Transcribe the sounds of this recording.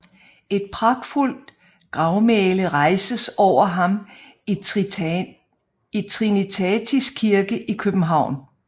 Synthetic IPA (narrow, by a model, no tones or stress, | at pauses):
e̝d̥̚pʰʁɑɡ̥ful̰d̥ | ɡ̥ʁɑ̈ʊmɛːləʁɑ̈ɪsəsɒʊ̰ɐɦɑ̈m | it͡sʰʁinit͡sʰɛːt͡sʰisɡ̥̚kʰiɐɡ̥əʔikʰøb̥m̩ɦɑ̈ʊ̰n